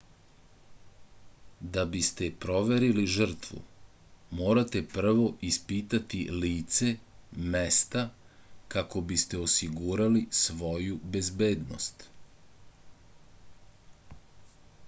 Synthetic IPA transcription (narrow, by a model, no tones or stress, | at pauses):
d̪abist̪e̞pɾo̞ʋe̞ɾiliʒr̩t̪ʋṵ | mo̞ːɾat̪e̞pr̩ʋo̞ʔispit̪at̪iliːt̪se̞mest̪akako̞bist̪e̞osiɡuːɾalisʋo̞jube̞zbe̞ːd̪no̰st̪